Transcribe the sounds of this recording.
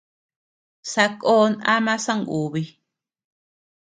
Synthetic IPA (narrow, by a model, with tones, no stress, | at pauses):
sa˧koː˦˧nã̰˦mã˦sã˦ŋu˨βi˧